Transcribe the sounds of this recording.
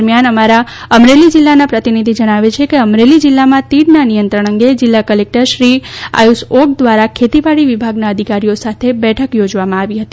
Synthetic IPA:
ɾmjanəmaɾa | əmɾelid͡ʒilːanapɾət̪inid̪ʱid͡ʒəɽ̃aʋet͡ʃʰekeəmɾelid͡ʒɪlːamãt̪iɽnanijənt̪ɾəɳ̃əŋɡed͡ʒɪlːakəlek̚ʈəɾʃɾia̰jusok̚d̪ʋaɾakʰet̪iʋaɽiʋibʱaɡnaəd̪ʱikaɾijosat̪ʰebɛʈʰəkjod͡ʒʋamãaʋiɦət̪i

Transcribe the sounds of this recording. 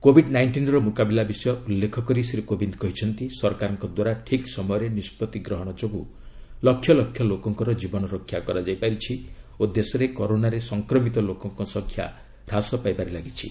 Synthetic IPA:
kobʱiɖnajɳʈinɾɔmukabilabisɔjɔulːekʰɔkɔɾisiɾikobind̪kɔɦit͡ʃʰɔnt̪isɔɾkaɾɔŋkɔd̪waɾaʈʰiksɔmɔjɔɾenispɔt̪iɡɾɔɦɔɽ̃ɔt͡ʃoɡu | lɔkʰjɔlɔkʰːjɔlokɔŋkɔɾɔd͡ʒibɔnɔɾɔkʰːjakɔɾad͡ʒajpaɾit͡ʃʰi | od̪esɔɾekɔɾonaɾesɔŋkɾɔmit̪ɔlokɔŋkɔsɔŋkʰːja̰ | ɾasɔpajpaɾilaɡit͡ʃʰḭ

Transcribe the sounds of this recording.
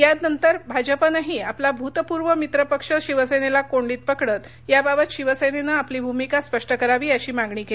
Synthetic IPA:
jad̪nənt̪əɾbʱad͡ʑəpənaɦiːaplabʱut̪puɾʋəmit̪ɾəpəkʂəɕiʋəsenelakoɳɖiːt̪̚pəkɽət̪ | jababət̪ɕiʋəsenenaːpliːbʱumikaspəʂʈəkəɾaʋiːəɕiːmaɡɳiːkel

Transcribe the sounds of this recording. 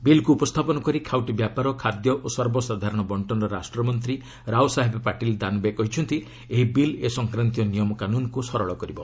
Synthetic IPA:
bilkuːpɔst̪ʰapɔnɔkɔɾikʰawʈibjapaɾɔkʰad̪jɔʔosɔɾbɔsad̪ʱaɾɔɽ̃ɔbɔɳʈɔnɔɾasʈɾɔmɔnt̪ɾi | ɾawsaɦebpaʈild̪anubekɔɦit͡ʃʰɔnt̪i | eɦibilesɔŋkɾant̪ijɔnijɔmɔkanunɔkusɔɾɔɭɔkɔɾibɔ

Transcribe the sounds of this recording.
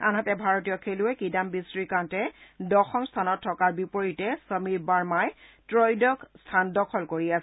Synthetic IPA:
a̰nɦatɛbʱaɹotijɔkʰeluɛkidambisɹikãntɛdɔxɔmstʰanɔtʰːɔkaɹbipoɹitɛsəmibaɹmajtɹojdɔkstʰandɔkʰɔlkoɹias

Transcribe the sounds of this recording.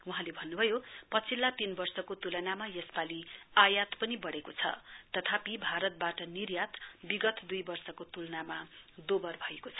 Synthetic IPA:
uɦãlebʱʌnːubʱʌjopʌt͡sʰilːat̪inbʌrsʌkot̪ulʌnamajʌspaliajat̪pʌnibʌɽekot͡sʰʌ̰t̪ʌt̪ʰapibʱaɾʌt̪̚baʈʌnirjat̪biɡʌt̪d̪ujbʌrsʌkot̪ulʌnamad̪obʌrbʱʌekot͡sʰʌ̥

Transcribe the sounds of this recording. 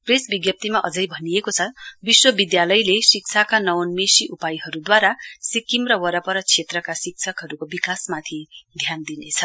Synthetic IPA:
presbiɡjʌp̚t̪imaʔʌd͡zʌjbʱʌnijekot͡sʰʌbiswʌbid̪jalʌjlesik̚t͡sʰakanʌwnmesiʔupajɦʌɾud̪waɾasikimrʌwʌɾʌpʌɾʌt͡sʰet̪rʌkasik̚t͡sʰʌkɦʌɾukobikasmat̪ʰiɡ̪ʱjand̪inet͡sʰʌ

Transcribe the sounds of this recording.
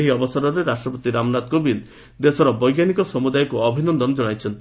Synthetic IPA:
ɦiɔbɔsɔɾɔɾeɾasʈɾɔpot̪iɾamnat̪kobil | d̪esɔɾɔbɔjɡjanikɔsɔmud̪ajɔkuɔbʱinɔnd̪ɔnd͡ʒɔɽ̃ajt͡ʃʰɔnt̪i

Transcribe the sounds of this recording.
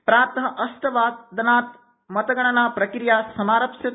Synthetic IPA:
pɾaːt̪ɐɦɐʔɐsʈ̪ɐʋaːt̪̚d̪ɐnaːt̪ | mɐt̪ɐɡɐɳ̃ɐnaːpɾɐkɾijaːsɐmaːɾɐpʃjɐ

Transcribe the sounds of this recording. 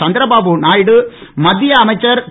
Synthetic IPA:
ɐnd̪ɪɾɐbaːbunaːjɽɯmɐd̪ːɪjɐːmɐɪt͡ʃːɐɾ

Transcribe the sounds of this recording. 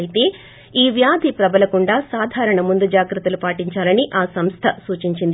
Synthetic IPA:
jit̪e̞ː | iːʋjaːd̪ʱipɾɐbɐlɐkuɳɖaːsaːd̪ʱaːɾɐɳɐmund̪ud͡ʒaːɡɾɐt̪ɐlupaːʈiɲt͡ʃaːlɐniʔaːsɐmst̪ʰɐsuːt͡ʃiɲt͡ʃind̪i

